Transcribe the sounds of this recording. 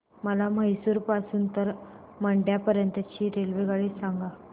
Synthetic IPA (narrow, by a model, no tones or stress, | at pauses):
məlaməɦisuːɾpasuːnt̪əɾ | məɳɖjapəɾjənt̪ət͡ɕiːɾelʋeɡaɭiːsaŋɡa